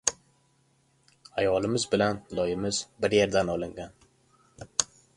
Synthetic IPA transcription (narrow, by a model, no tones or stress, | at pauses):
ajɒlɪmɪzbɪlanlˠɒjɪmɪzbɪɾjeɾd̪anɒlˠɪŋɡʲan